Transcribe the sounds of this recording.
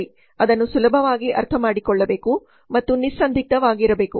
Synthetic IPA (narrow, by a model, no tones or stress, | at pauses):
i | ɐd̪ɐnːusulɐbʱɐʋaːɡiʔɐ̰ɾt̪ʰɐmaːɽikɔɭːɐbe̞ːku | mɐt̪ːunisːɐnd̪ʱik̚t̪ɐʋaːɡiɾɐbe̞ːku